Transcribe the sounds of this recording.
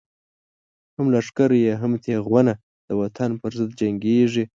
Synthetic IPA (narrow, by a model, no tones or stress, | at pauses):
hamlaʂkaɾjeɦamt̪ʰeɣwana | d̪̥əwat̪ʰanpəɾzɪd̪̚d͡ʒaŋɡeʐi